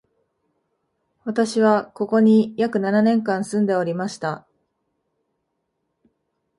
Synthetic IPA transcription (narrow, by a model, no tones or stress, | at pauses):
βat̪aɕiβako̞ko̞ɲ̟ijakɯ̟nananẽ̞ŋkãɰ̃sɨ̃nd̪e̞o̞ɾʲimaɕi̥t̪a